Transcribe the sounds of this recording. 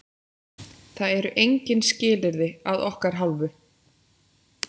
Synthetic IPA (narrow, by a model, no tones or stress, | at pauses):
θaðɛɾʏʔejɲcɪnscɪːlɪɾðɪaðɔhkaɾ̥ɦalvʏ